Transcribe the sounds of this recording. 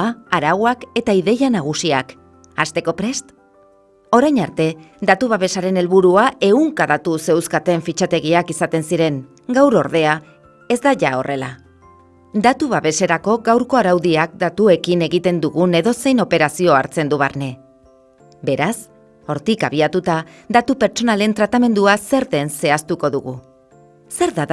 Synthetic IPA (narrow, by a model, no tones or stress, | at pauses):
aaɾaɣwake̞t̪aiðe̞janaɣ̞usiak | ast̪e̞ko̞pɾe̞st̪ | o̞ɾajɲaɾt̪e̞d̪at̪uβ̞aβe̞saɾe̞ne̞lβuɾuaʔe̞ɣuŋkaðat̪use̞wskat̪e̞ɱfit͡ʃat̪e̞ɣ̞iakisat̪e̞nsiɾe̞ŋ | ɡawɾo̞ɾð̞e̞a | e̞zd̪aʝao̞̰rʔe̞la | d̪at̪uβaβe̞se̞ɾako̞ɡawɾko̞aɾawðiak̚d̪at̪ue̞kine̞ɣit̪e̞nd̪uɣune̞ðo̞se̞jno̞pe̞ɾasio̞aɾt͡se̞nd̪uβaɾne̞ | be̞ɾas | o̞ɾt̪ika̰βiat̪ut̪ad̪at̪upe̞ɾt͡ʃo̞nale̞nt̪ɾat̪ame̞nd̪uase̞ɾðe̞nse̞ast̪uko̞ðuɣu | se̞ɾða